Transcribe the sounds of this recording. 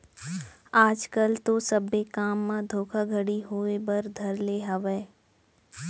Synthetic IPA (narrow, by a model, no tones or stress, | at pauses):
aːd͡ʒkəlt̪osɐbːekaːmːãd̪ʱoːkʰaɡʱəɽiɦoːebɐɾd̪ʱɐɾleːɦaʋeː